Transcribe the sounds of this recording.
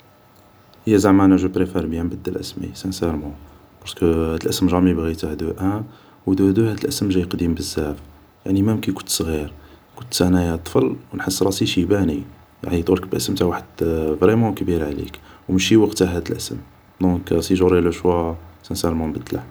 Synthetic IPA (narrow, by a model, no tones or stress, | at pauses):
həjːæzaʕmaʕnæʒəpɾefɛɾbjæmbəd̪ːəlʔə̰smḭsæ̃sɛɾmɑ̃ | b̥ɑɾskəhæd̪əlʔəsəmʒɑmibɣit̪ahd̪uʔæ | wd̪uhd̪uhæd̪əlʔəsəmʒæjqd̪imbəzːæf | jaʕnimæmkikʊ̥nt̪sˤɣiɾkʊt̪sænæjæt̪ˤːfəlwnħəsːɾˤɑsiʃibæni | ja̰ʕnit̪ˤuləkbəlʔə̰səmt̪aʕwaħəd̪vɾimɑ̃kbiɾʕlḭkwməʃiwɑqt̪aɦæd̪əlʔəsə̰m | d̪ɔ̃ksiʒuɾiləʃwæsæ̃sɛɾmɑ̃mbəd̪ːla